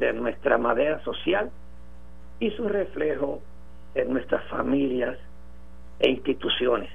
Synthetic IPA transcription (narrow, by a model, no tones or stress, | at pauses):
d̪enwe̞st̪ɾamaðeɾaso̞sjal | isure̞fle̞ho | enːwe̞st̪ɾasfa̰mĩljas | ḛinst̪it̪usjo̞nes